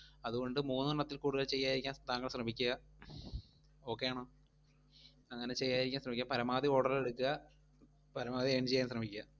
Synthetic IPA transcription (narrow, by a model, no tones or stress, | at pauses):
ɐðuɣo̞ɳɖɨmuːnːuɭɐt̪ːilkuːɽuɣɐlt͡ɕe̞jːaːjiɾikʲːaːnt̪aːŋːɡɐɭsrɐmikʲːuɣɐ | o̞ːkːe̞jaːɳoː | ɐŋːɐne̞t͡ɕe̞jːaːjiɾikʲːaːnsrɐmikʲːampɐɾɐmaːðio̞ːɽɐrlile̞ɽukːuɣɐ | pɐɾɐmaːðieːnt͡ɕejːaːnsrɐmikʲːuɣɐ